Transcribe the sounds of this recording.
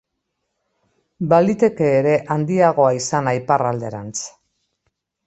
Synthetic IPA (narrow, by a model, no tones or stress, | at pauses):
balit̪e̞ke̞ːɾe̞ʔand̪iaɣ̞o̞aisanajparald̪e̞ɾa̰nt͡s